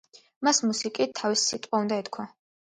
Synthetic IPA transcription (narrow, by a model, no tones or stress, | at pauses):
masmusikʼit̪ʰːavisːit̪ʼqʼaund̪aɛt̪kʰwa